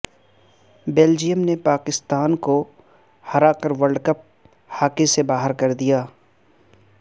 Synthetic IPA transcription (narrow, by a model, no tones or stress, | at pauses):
beːld͡ʒijəmnepaːkɪst̪aːnko | hɐɾakəɾʋɐɾɖkɐp̚ | haːkesebaːɦəɾkɐɾd̪ijaː